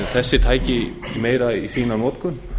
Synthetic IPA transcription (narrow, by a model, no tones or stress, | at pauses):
θɛsːɪt̪ʰaːjcɪmeːjɾaisiːnanoːt̪kʏn